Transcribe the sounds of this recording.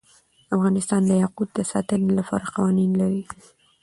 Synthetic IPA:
afɣɑnɪst̪ɑnd̪əjaqud̪̚d̪əsɑ̰t̪ənlapɑ̰ɾaqɑwɑninlaɾi

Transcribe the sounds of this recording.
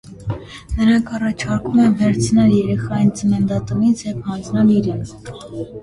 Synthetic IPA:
nəɾɑŋkʰɑrɑt͡ʃʰɑɾkumɛmvɛɾt͡sʰnɑljɛɾɛχɑjint͡səmɛnd̪ɑt̪umit͡sʰjɛvhɑnd͡znɑliɾɛnt͡sʰ

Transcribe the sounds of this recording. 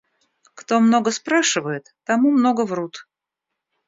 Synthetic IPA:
kt̪omno̞ɡəspɾaʂɨvəjɪt̪ːɐmumno̞ɡəvrut̪

